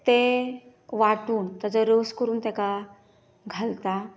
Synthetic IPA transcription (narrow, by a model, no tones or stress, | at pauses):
t̪e | ʋaʈuːnt̪əd͡zəɾəskəɾuːnt̪ɛka | ɡʱalt̪a